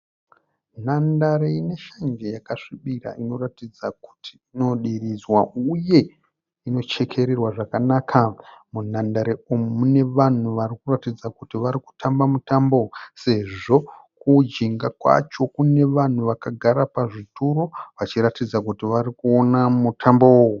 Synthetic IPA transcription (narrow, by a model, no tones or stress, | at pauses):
n̤andaɾeine̞ʃand͡ʒejakaʂiɓira̰ʔino̞ratid͡zaku̥ti̥ino̞ɗirizwauje̞ | ino̞t͡ʃe̞kʰe̞ɾerwaʐakanaːkʰamun̤andaɾeommune̞ʋan̤uʋarikuratid͡zakutiʋaɾiku̥tʰambamutambose̞ʐo̞kud͡ʒiŋɡakwa̰t͡ʃo̞kune̞ʋan̤uʋakaɡʱaɾapaʐitʰuɾo̞ʋat͡ʃiɾatid͡zakutiʋaɾikuo̞namutʰambowoo